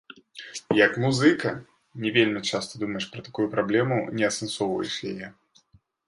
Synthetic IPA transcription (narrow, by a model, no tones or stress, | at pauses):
jɐkmuzɨkɐ | nʲɛvʲelʲmʲit͡ʂast̪ɐd̪umɐjɛʂpɾɐt̪akujupɾablʲɛmunʲɛɐsɛnsɔvɐ̰jḭʂlʲɛjɛ